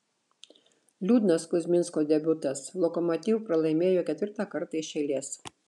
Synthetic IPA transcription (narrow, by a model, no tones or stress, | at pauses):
lʲuːd̪nɐskʊzʲmʲɪnskoːd̪ʲɛbʲʊt̪ɐslˠɔkɔmɔt̪ʲiːʋʊpɾɐlˠɐɪmʲeːjoːkʲɛt̪ʲʋʲɪɾt̪ɑkɐɾt̪ɐɪʃʲɛɪlʲeːs